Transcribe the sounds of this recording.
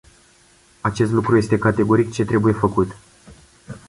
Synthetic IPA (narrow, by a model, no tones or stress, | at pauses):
at͡ʃe̞st̪lukɾuje̞st̪e̞kat̪e̞ɡo̞ɾikt͡ʃe̞t̪ɾe̞buje̞fəkut̪